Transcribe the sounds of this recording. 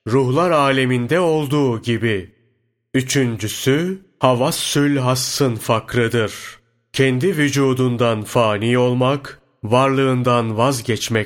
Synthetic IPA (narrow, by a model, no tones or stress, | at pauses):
ɾuhlˠaɾaːlʲemind̪ɛo̞lˠd̪uːɟibi | yt͡ʃʰynd͡ʒysy | havasːylʲɦasːɯnfakɾɯd̪ɯɾ̥ | cʰɛnd̪ivyd͡ʒuːd̪und̪anfaːnijo̞lˠmak | vaɾlˠɯːnd̪anvazɟɛt͡ʃmɛ